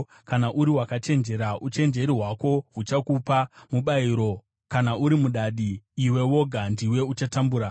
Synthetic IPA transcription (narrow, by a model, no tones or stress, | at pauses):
kanaʔuɾiwakat͡ʃe̞nd͡ʒe̞ɾaut͡ʃe̞nd͡ʒe̞ɾiɦwako̞ɦut͡ʃakupamuɓaiɾo̞ | kanaʔuɾimuɗaɗiːwe̞wo̞ɡʱandiwe̞ut͡ʃatambuːɾa